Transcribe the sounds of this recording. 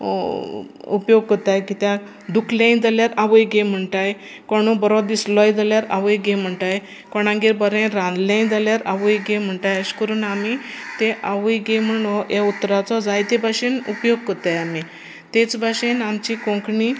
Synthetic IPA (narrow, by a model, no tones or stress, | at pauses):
upjoɡ̚kət̪ajkit̪jã | d̪ukʰljãj̃d͡zaljaɾaʋəjɡem̤əɳʈaj | kɔɽ̃ũbəɾɔd̪islɔjd͡zaljaɾa̰ʋəjɡem̤əɳʈaj | kɔɽ̃ãŋɡiɾbəɾẽɾãnd̪ljãj̃d͡zaljaɾaʋəjɡem̤əɳʈajəɕkəɾuːnamit̪eʔaʋəjɡem̤əɳojaut̪ːɾat͡sɔd͡zajt̪ebʱaɕenupjoɡ̚kət̪ajami | t̪et͡sbʱaɕenamt͡ɕikõŋkɳi